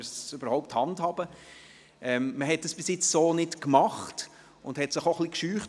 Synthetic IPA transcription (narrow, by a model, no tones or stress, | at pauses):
søbəɾhɔʊp̚thɑndhɑːb̥ə | ʔɛmməɦɛt̚d̥ɑsb̥ɪsjɪt͡ssoːnɪtkmɑχt | ʊndhɛtsɪχoχlikʃyːχt